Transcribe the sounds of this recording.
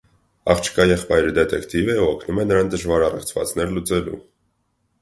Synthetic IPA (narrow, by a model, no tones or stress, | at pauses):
ɑ̰χt͡ʃʰə̥kʰɑjɛχpɑjɾid̪ɛt̪ɛkt̪ivɛuɔkʰnumɛnəɾɑnd̪əʒvɑɾɑrɛ̰χt͡sʰvɑ̰t͡sn̪ɛɾlut͡sɛlṵ